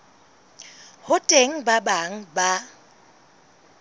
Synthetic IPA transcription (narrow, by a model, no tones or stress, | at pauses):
hʊtʼeŋ̩babaŋ̩ba